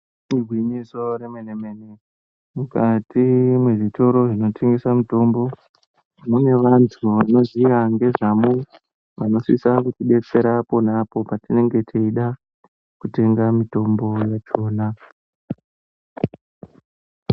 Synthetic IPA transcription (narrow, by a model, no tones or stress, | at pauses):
iɡwiɲiso̞ɾemeneme̞ne | mukatimweʐito̞ɾo̞ʐino̞tʰeŋɡesamito̞mbo̞ | mune̞ʋantʰuʋano̞ziʋaŋɡe̞ʐamu | ʋano̞sisakut͡ʃiɓe̞t͡se̞ɾapo̞napo̞patine̞ŋɡe̞tʰeiɗa | kute̞ŋɡamito̞mbo̞jat͡ʃo̞ːna